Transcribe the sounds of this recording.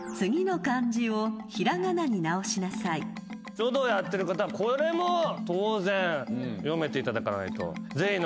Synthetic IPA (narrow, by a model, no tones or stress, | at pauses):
t͡sɨɡʲino̞kãɲd͡ʑio̞çiɾaŋanaɲ̟inao̞ɕinasai | t͡ɕod̪ojat̪ːe̞ɾɯ̟kat̪aβako̞ɾe̞mot̪oːzẽɰ̃jome̞t̪e̞it̪ad̪akaɾna̰it̪o̞̰ze̞çin